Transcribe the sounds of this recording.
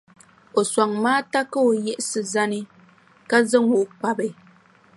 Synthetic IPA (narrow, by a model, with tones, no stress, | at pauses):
o˨swa˨ŋmaː˦ta˦kə˦o˨jɛ˦ʔsɨ˨za˦ni˦ | ka˦zə˦ŋu˨ʔk͡pa˨be˨